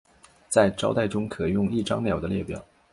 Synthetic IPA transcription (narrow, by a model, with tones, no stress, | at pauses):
t͡sa˥˩ɪʈ͡ʂɑ˥ʊt̪a˥˩ɪʈ͡ʂʊ˥ŋkʰɤ˨˩jʊ˥˩ŋi˥˩ʈ͡ʂɑ̰˥ŋljɑ˨˩ʊd̪ə˦ljɛ˥˩pjɑ˨˩˦ʊ